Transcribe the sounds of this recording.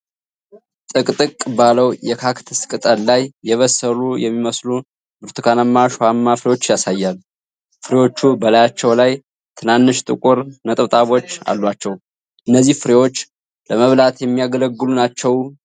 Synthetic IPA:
t̪ʼɨkʼt̪ʼɨkʼːɨbaləwjɛkʰakt̪ʰɨskʼɨt̪ʼəllajjɛβəsːəlujɛmːiməslu | bɨɾt̪ʰɨkʰanamːaʃohamːafɨɾewo̞t͡ʃːjasajːal | fɨɾewo̞t͡ʃːubəlajat͡ʃːɛwlaj | t̪ʰɨnanːɨʃt̪ʼɨkʼuɾnət̪ʼt̪ʼaβo̞t͡ʃːa̰lːwat͡ʃːɛw | ʔɨnːəzːihfɨɾewo̞t͡ʃː | ləməβlat̪jɛmːijaɡələɡːɨlunat͡ʃːɛw

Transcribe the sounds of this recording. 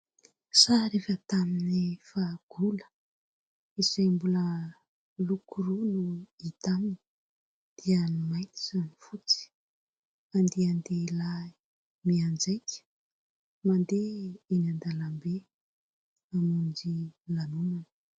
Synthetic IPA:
saɾefət̪aminefaɡ̥ulə̥ | izambulə | lukʰuɾunuit̪amini | d̪̥ianimajt̪i̥zanifut͡si̥ | and̪eand̪elai | miand͡zejkʰʲə̥ | mand̪einand̪alambe | amund͡ʒilanunanə̥

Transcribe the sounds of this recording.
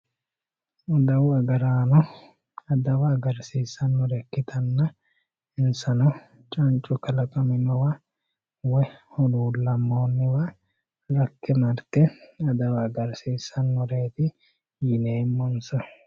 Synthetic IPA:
ʊd̪ɐwɐɡɐɾaːnɔ | ɐd̪ɐwɐːɡɐɾsiːsːɐnmɔɾɛkːɪt̪ʰɐnːɐ | ɪnsɐnɐ | t͡ʃʼɐnt͡ʃʼʊkɐlɐkʼɐmɪmɐwɐ | wɔhɔluːlːɐmːoːnːɪwɐ | ɾɐkːɛmɐɾt̪ɛɐd̪ɐwɐːɡɐɾsiːsːɐnmɔɾe̞ːt̪ɪ | jɪneːmːɔnsɔ

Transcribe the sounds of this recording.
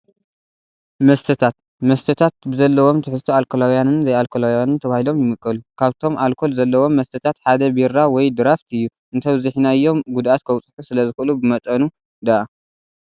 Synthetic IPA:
mɐst̪ʰɨt̪ʰat̪̚ | mɐst̪ʰɨt̪ʰat̪̚bɨzɐlːɐwo̞mt̪ʰɨħɨst̪ʰualkʰolawjanɨnzɐjalkʰolawjanɨnt̪ʰɐβahilo̞mjɪmɨkʼːɐlukʰaβt̪ʰo̞malkʰo̞lzɐlːɐwo̞mːɐst̪ʰɐt̪ʰat̪ħad̪ɐbiɾawɔjd̪ɨɾaft̪ʰɨjːu | ʔɨnt̪ʰɐβzɨħinajːo̞mɡud̪ʔat̪̚kʰɐwt͡sʼɨ̥ħusɨlɐzɨxɨʔɨlubɨmɐt̪ʼɐnu | d̪aʔa

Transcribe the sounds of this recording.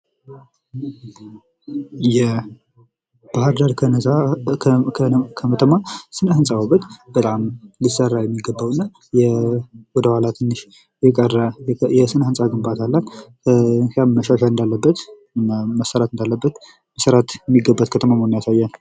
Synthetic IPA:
jɛ | b̥ahaɾd̪aɾkʰnsa | kʰəmət̪ʰəmasɨnəhɨnsʼawaβət̪b̥ət̪ʼamlisərːajɛmːiɡəbːawnːa | jɛwɔd̪əhalat̪ʰɨnːɨʃ | jɛkʼərːajɛsɨnəhɨnsʼaɡɨmbat̪ʰalːal | ʃaməʃaʃalɨnd̪alːəbːət̪ | məsːəɾat̪ɨnd̪alːəbːət̪ | məsəɾat̪jɛmːiɡəbːat̪̚kʰət̪ʰəmamonːjasajːan

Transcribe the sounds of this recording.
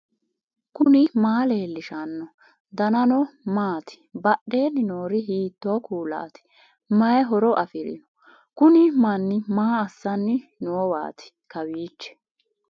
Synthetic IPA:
kʊnɪmaːle̞ːlːɪʃɐnːɔ | d̪ɐnɐnɔmaːt̪ɪ̥bɐɗeːnːɪnoːɾɪɦiːt̪ːoːkuːla̰ːt̪ɪ̥ | mɐjɛɦɔɾɔʔɐfɪɾɪ̰nɔ | kʊnɪmɐnːɪmaːɐsːɐnːɪnoːwa̰ːt̪ʰɪ̥ | kɐwiːt͡ʃːɛ̥

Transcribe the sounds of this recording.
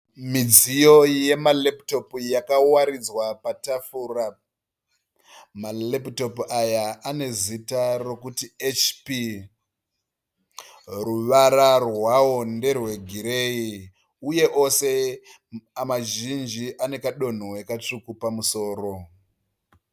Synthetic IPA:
mid͡zijo̞je̞malepto̞pjakawaɾid͡zwapatafuːra | malepto̞pajaane̞zitaro̞kutiet͡ʃpi | ruʋaɾarwawo̞nde̞rwe̞ɡʱiɾe̞i | uje̞ʔo̞se̞ | amaʒind͡ʒiʔane̞kaɗo̞n̤owekat͡ʂukupamuso̞ːɾo̞

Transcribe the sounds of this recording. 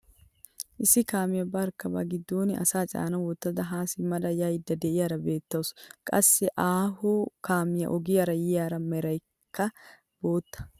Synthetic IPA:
ʔɪsɪkaːmɪjɐbɐɾkːɐbɐ̰ɡɪd̪ːoːnɪʔɐ̰saːt͡ʃʼa̰ːnɐwɔt̪ːɐd̪ɐɦaːsɪmɐᶑɐjaɪd̪ːɐd̪ɛʔɪjɐɾɐbe̞ːt̪ːɐwskʼɐ̰sːɛʔaːɦoːkaːmɪjɐ̰ʔɔɡɪjɐɾɐjɪjaːɾɐmɛɾɐj | kːɐ | b̥o̞ːt̪ːɐ̥

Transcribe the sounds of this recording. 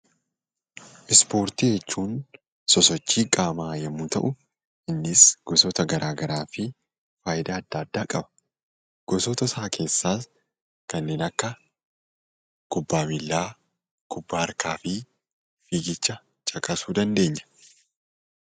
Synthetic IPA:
ʔɪspo̞ːɾt̪id͡ʒɛt͡ʃːuːn | sɔsɔt͡ʃːiːkʼaːmaːjɐmːuːt̪ɐ̰ʔʊ | ɪnːɪsɡ̥ɔsɔːt̪ɐɡɐɾʔaːɡɐɾaːfɪ | faːjɪd̪aːɐd̪ːɐːd̪ːaːkʼɐbɐ̥ | ɡ̥ɔsɔt̪ɐsaːkʰe̞ːsːaːs | kɐnːe̞ːnɐkːɐ | ɡ̥ʊbːaːmɪlːaː | ɡ̥ʊbːaːɐɾkaːfɪ | fiɡɪt͡ʃːɐ | t͡ʃʼɐkʼɐsuːd̪ɐnd̪e̞ːɲːɐ̥

